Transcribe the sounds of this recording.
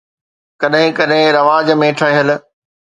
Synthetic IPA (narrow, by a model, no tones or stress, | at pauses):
kɐɗɦɪ̃kɐɗɦɪ̃ɾɐʋaːd͡ʑmẽːʈʰəĩɦəlɪ̆